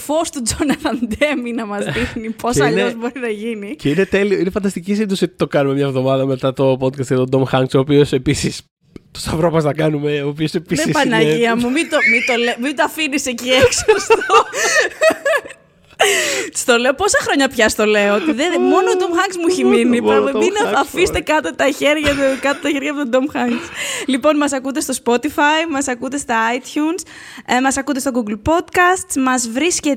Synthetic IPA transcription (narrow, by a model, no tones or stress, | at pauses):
fo̞st̪ud͡zonɐfɐnd̪eminɐmɐzðixnipʰo̞sɐʎnozbo̞ɾinɐʝiniceinet̪e̞lioinefɐnd̪ɐst̪icis̬inðusiot̪i̥t̪o̞kɐnumemɲɐvðo̞mɐðɐme̞t̪ɐt̪o̞pod̪̚kɐst̪ɐt̪od̪omxɐŋksoːpio̞sepisis | t̪o̥sɐvɾopɐstɐkɐnumeoːpiosepiðseispɐnɐʝiɐmumit̪omit̪olemit̪ɐfinisecieksost̪o | st̪o̞le̞opo̞sɐxɾo̞ɲɐpçɐst̪o̞le̞oot̪iðemo̞nod̪omxɐŋɡzmuiçiminipopeminɐɐfist̪e̞kɐt̪ot̪ɐçe̞ɾʝɐt̪kɐt̪ot̪ɐçe̞ɾʝɐpot̪od̪omxɐŋɡslipo̞nmɐsɐkut̪̬e̞st̪o̞spo̞t̪ifɐjmɐsɐkut̪e̞st̪ɐɐjt̪çuns | mɐsɐkut̪estoɡuɡlpo̞d̪kɐst̪mɐzvɾisce